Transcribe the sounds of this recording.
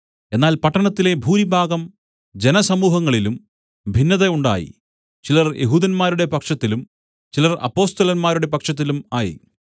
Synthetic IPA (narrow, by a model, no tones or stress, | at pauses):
e̞nːaːlpɐʈːɐɳɐt̪ːile̞bʱuːnibʱaːɡɐm | d͡ʑe̞nɐsɐmuːɦɐŋːɐɭilum | bʱinːɐðɐuɳɖa̰ːjḭ | t͡ɕilɐrjʔe̞̰ɦuːðɐnmaːɾuɽe̞pɐkʂɐt̪ːilum | t͡ɕilɐrɐ̰pːo̞ːst̪ɐlɐnmaːɾuɽe̞pɐkʂɐt̪̬ːilumaːjḭ